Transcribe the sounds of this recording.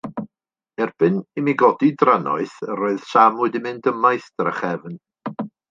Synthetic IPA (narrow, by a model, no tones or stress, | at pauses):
ɛrb̥ɨnimiɡɔdidranɔ̰ɨθəɾoːɨð̥samʊɨdimɨndəmaɨθd̥əɾəχɛvn